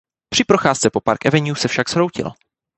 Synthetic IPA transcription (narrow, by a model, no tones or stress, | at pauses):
pr̥ɪpɾo̞xaːst͡sɛpo̞pa̰ɾkʔɛvɛɲjuːsɛfʃakshɾowcɪ̰l